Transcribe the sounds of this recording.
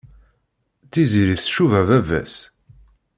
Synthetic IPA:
θiziɾiθʃuvævævæ̰s

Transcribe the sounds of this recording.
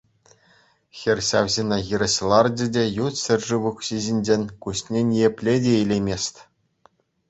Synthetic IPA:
xʲerʲɕɑʋzʲinʲɑɣʲiɾʲɘ̆ɕlˠɑrd͡ʑɘ̆dʲejut̪ɕʲɘ̆rʲʐɨʋukɕiʑinʲd͡ʑenʲkuɕnʲenʲijepʲlʲedʲeilʲemʲesʲtʲ

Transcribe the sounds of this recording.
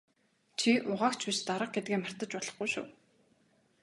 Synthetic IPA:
t͡ɕʰiʔʊʁaːkt͡ɕʰpiʃt̪aɾə̆q̚ɡet̪̚ɡeːmar̥t̪ə̆t͡ɕpɔɮɞ̆χɡujʃṵː

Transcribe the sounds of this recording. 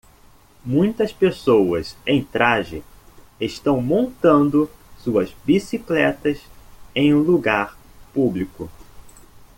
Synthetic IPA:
mũj̃t̪ɐspesowɐsẽj̃t̪ɾaʒɪ | eʃt̪ɐ̃w̃mõnt̪ɐ̃nd̪ʊsuɐzbisiklɛt̪ɐsẽj̃ũluɡaɾ | publikʊ

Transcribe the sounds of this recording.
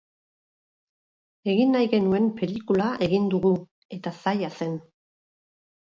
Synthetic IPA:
e̞ɣinːajɣe̞nue̞mpe̞likulaʔe̞ɣind̪uɣu | e̞t̪asajase̞n

